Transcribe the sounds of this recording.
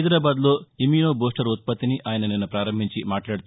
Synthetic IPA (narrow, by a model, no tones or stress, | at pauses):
jd̪ɾaːbaːd̪loːimiːnoːboːsʈɐɾut̪̚pɐt̪ːiniʔaːjɐnɐninːupɾaːɾɐmbʱiɲt͡ʃimaːʈlaːɽit̪u